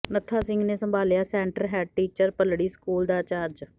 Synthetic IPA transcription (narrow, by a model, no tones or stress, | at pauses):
nət̪ʰːaːsɪ̃ŋɡneːsəmbʱaːljaːsɛ̃ːɳʈəlɦɛːɖ̚ʈiːt͡ʃəɾpəlɽiːskuːld̪aːt͡ʃaːɾd͡ʒ